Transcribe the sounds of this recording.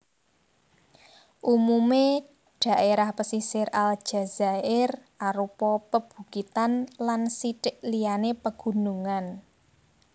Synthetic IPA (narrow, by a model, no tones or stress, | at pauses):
ʔumume | ɖ̥ä̤ʔeɾahpəsisɪɾal̥ʒ̥a̤z̥aɪrʔaɾupɔpəb̥ṳɡit̪anlansiʈɪʔlianepəɡ̥ṳnuŋan